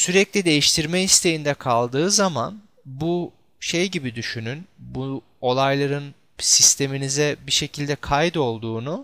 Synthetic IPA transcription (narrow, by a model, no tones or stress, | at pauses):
syɾɛclʲid̪e̞jiʃt̪ʰiɾmɛist̪ʰe̞jind̪ɛkʰalˠd̪ɯːzama̰n | bu | ʃejɟibid̪yʃynynbu | o̞lˠajlˠaɾɯn | sist̪ʰe̞minizɛbiʃe̞cʰilʲd̪ɛkʰajd̪o̞lˠd̪uːnu